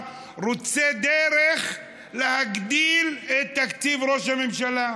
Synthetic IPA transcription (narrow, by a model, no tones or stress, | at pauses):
ɾot͡sed̪eɾeχ | lehaɡd̪ilet̪ːakt͡sivɾoʃhamemʃala